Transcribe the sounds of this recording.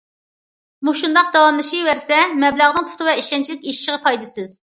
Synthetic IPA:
muʃund̪ɑq̚d̪ɑwɑmlˠɨʃiwæɾsɛmɛblæʁnɨŋt̪ʰu̥t̪ʰɨvɛiʃɛnt͡ʃʰilɪkʲiʃi̥ʃəʁɨpʰɑjd̪ɨsɨz

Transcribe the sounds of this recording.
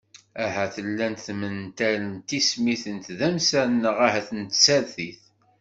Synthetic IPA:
æɦæθəlːænθmənt̪ælənt̪ismiθənt̪ðæmsænːəʁahæθənt̪sæɾθiθ

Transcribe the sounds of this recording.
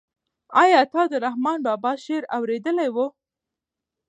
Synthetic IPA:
ɑjɑt̪ɑd̪əɾahmɑnbɑbɑʃeɾawɾed̪əlajwu

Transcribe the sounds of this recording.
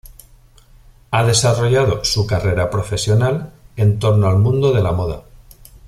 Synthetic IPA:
aðe̞saro̞ʝað̞o̞sukare̞ɾapɾo̞fe̞sjo̞nale̞nt̪o̞ɾnoalmũnd̪o̞ð̞e̞lamo̞ða

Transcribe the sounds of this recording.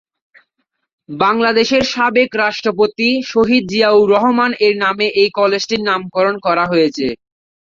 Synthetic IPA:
baŋlad̪eʃeɾʃabekɾaʃʈɾopot̪iʃoɦid̪̚d͡ʑiawɾɔɦomaneɾnameʔejkɔled͡ʑʈiɾnamkɔɾonkɔɾaɦojet͡ɕʰe

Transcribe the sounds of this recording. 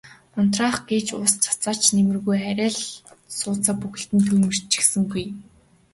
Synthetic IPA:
ʊn̥t̪raːχɡeːt͡ɕʊst͡sʰḁt͡saːt͡ɕnemɘ̆rɣujæɾʲæːɮsʊːt͡saːpuxɘ̆ɬt̪ɘ̆nt̪ʰɵjmɵ̆r̥t͡ɕi̥xsɘ̆ŋɡuj

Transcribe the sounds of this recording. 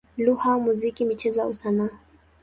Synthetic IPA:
luhamuzikimit͡ʃɛzɔa̰usana

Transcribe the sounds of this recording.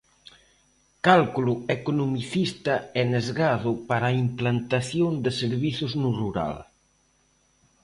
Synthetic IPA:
kalkuluekonomiθist̪aɛnezɣaðʊpaɾaimplant̪aθjond̪eseɾβiθʊznuruɾa̰l

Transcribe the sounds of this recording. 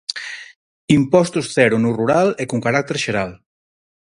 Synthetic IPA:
impɔst̪usθɛɾunuruɾalɛkuŋkaɾak̚t̪eɾʃeɾal

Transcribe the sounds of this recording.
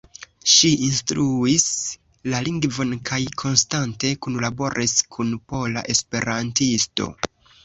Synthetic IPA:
ʃiinstɾuis | laliŋɡvo̞nkʰajkʰo̞nstante̞kunlabo̞ɾʔiskʰunpo̞la̰ʔe̞spe̞ɾantisto̞̰

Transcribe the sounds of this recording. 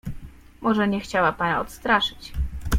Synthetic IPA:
mɔʐɛɲɛxt͡ɕawapanaɔt̪st̪ɾaʂɘ̥t͡ɕ

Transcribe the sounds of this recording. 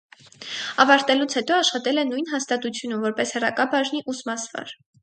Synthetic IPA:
ɑvɑɾt̪ɛlut͡sʰhɛt̪ɔɑʃχɑt̪ɛlɛnujnɦɑst̪ɑt̪ut͡sʰjunumvɔɾpɛshɛrɑ̰kɑbɑʒniʔusmɑsvɑ̰ɾ

